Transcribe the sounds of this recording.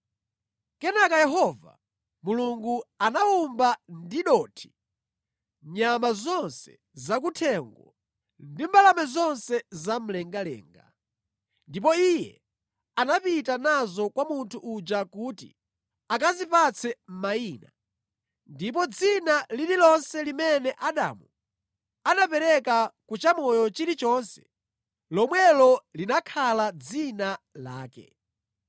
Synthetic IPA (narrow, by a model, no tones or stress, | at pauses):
kɛnakajɛɦɔva̰ | muluŋɡuanaumbandiɗɔːtʰi̥ | ɲamazɔnsɛ̰ | zak̬utʰɛŋɡɔ̰ | ndimbalamɛzɔnsɛzam̩lɛŋɡalɛ̰ːŋɡa̰ | ndipɔijɛ̰ | anapitanazɔkwamuntʰuʔud͡ʒakuːtḭ | akazipat͡sʰɛm̩maiːna | ndip̬ɔd͡zinalililɔnsɛlimɛnɛʔaɗa̰mu | anapɛɾɛkakut͡ʃamɔjɔt͡ʃiɾit͡ʃɔnsɛ̥̰ | lɔmwɛlɔlinakʰalad͡zinalaːkɛ̰